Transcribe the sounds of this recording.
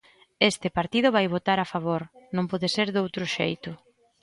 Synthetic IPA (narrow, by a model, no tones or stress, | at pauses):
est̪ɪpaɾt̪ið̞ʊβajβot̪aɾafaβ̞oɾnõŋpɔðɪseɾðowt̪ɾʊʃejt̪ʊ